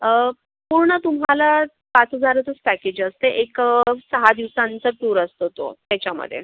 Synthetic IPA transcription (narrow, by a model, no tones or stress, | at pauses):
ə | puɾɳət̪umɦala | pat͡səd͡zʱaɾət̪əspæked͡ʑəst̪eʔeksəɦad̪iʋsãnt͡səʈuɾəst̪ot̪o̰t̪jat͡ɕjamə̰d̪ʱːjḛ